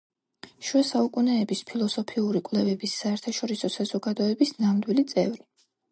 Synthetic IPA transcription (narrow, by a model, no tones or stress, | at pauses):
ʃwɛsaukʼunɛːbispʰilˠɔsɔpʰiuɾikʼwlɛvɛbisːaɛɾt̪ʰaʃɔɾisɔsazɔɡad̪ɔɛbisnamd̪wilit̪sʼɛ̰vɾi